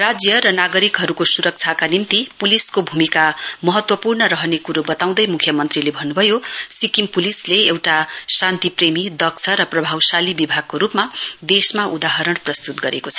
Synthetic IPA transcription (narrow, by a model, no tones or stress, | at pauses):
rad͡zjʌɾʌnaɡʌɾikɦʌɾukosuɾʌk̚t͡sʰakanimt̪ipuliskobʱumikamʌɦʌt̪wʌpurnʌɾʌɦʌnekuɾubʌt̪aw̃d̪ʌjmukʰjʌmʌnt̪rilebʱʌnːubʱʌjosikimpulisleewʈasant̪ipremid̪ʌk̚t͡sʰʌɾʌprʌbʱawsalibibʱaɡ̚koɾupmad̪esmaʔud̪aɦʌɾʌɽprʌst̪ut̪ɡʌɾekot͡sʰʌ